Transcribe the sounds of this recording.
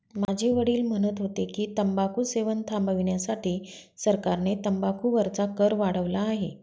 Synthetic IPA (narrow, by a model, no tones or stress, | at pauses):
mad͡ʑʱeʋəɽiːlm̤əɽ̃ət̪ɦot̪ekiːt̪əmbakuːseʋənt̪ʰambəʋiɳjasaʈiːsəɾkaɾnet̪əmbakʰuːʋəɾt͡sakəɾʋaɽəʋlaːɦḛ